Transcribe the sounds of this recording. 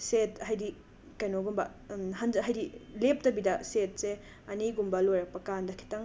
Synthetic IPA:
sethajdi | kɐjnoɡumbɐ | ɦɐnzɦajdilep̚tɐbidɐset̚se | ɐniɡumbɐlojɾɐk̚pɐkandɐkʰi̥tɐŋ

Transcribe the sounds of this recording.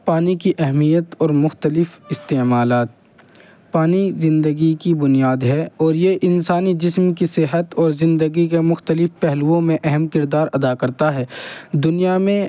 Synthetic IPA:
paːnikiʔɛɦmijət̪ɔːɾmʊxt̪əlɪfɪst̪eːmaːlaːt̪̚ | paːnizɪ̃nd̪əɡikibʊnijaːd̪ɦɛɔːɾjeʔɪnsaːnid͡ʒɪsmkisɪɦət̪ɔːɾzɪ̃nd̪əɡikemʊxt̪əlɪfpɛɦlʋõmẽʔɛɦɛmkɪɾd̪aːɾɐd̪akɐɾt̪aɦɛːd̪ʊnijamẽ

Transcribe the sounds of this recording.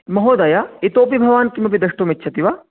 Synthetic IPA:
mɐɦoːd̪ɐjait̪oːp̬ibʱɐʋaːnkimɐpid̪ɐʃʈometːt͡ʃʰɐt̪iʋaː

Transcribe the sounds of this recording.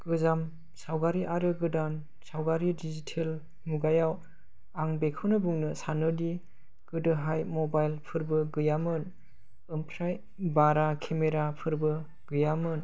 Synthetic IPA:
ɡ̥ɯzam | sawɡaɾiʔaɾɯɡɯdan | sawɡaɾidizitʰel | muɡajaw | aŋbekʰɯwnɯbuŋnɯsanɯdi | ɡ̥ɯdɯɦajmɔbajlpʰɯɾbɯɡɯjamɯn | ɯmpʰɾaj | baɾakʰemeɾapʰɯɾbɯ | ɡ̥ɯjamɯn

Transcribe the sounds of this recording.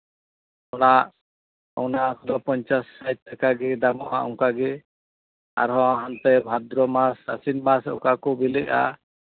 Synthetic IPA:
ɔnaʔ | ɔnakɔd̪ɔpɔɲt͡ʃasːajt̪̚t̪akaɡɛd̪amɔ̰ʔaʔɔ̰̃ŋkaɡɛ | a̰ɾɦɔ̃aɦant̪ɛbʱad̪ɾɔmasa̰sinmasɔ̰kakɔbilɛka̰

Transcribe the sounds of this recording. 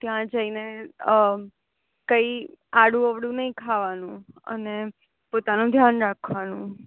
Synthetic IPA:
t̪jãd͡ʒəine | kəiaɽũəʋɽũnəĩkʰaʋanũə̰ne | pot̪anũd̪ʱjanɾakʰʋanũ

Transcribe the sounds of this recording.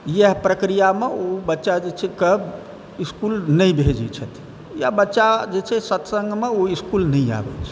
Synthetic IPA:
jeɦpɾəkɾijameobətːʃad͡ʒet͡ʃʰɛkəb | iskulnəjbʱed͡ʒɛt͡ʃʰət̪ʰ | jabətːʃad͡ʒet͡ʃʰɛsət̪sə̃ŋɡmeoiskulnɛĩa̰bɛ̰t͡ʃʰ

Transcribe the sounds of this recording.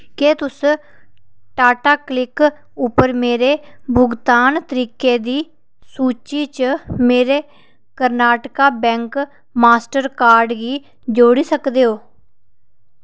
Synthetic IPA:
keːt̪ʊs | ʈaːʈaːklɪk | ʊpəɾmeːɾeːbʱʊɡt̪aːnt̪əɾiːkeːd̪iː | suːt͡ʃiːt͡ʃəmeːɾeː | kəɾnaːʈkaːbɛ̃ːŋk | maːsʈəɾkaːɾɖɡiː | d͡ʒoːɽiːsəkd̪eːɦoː

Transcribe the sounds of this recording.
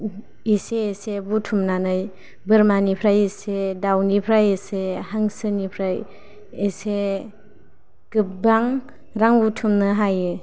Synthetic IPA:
iseːsebutʰumnanɯj | bɯɾmanipʰɾajesedawnipʰɾajesehaŋsɯnipʰɾaj | ese | kɯp̚baŋ | ɾaŋbutʰumnɯɦajɯ

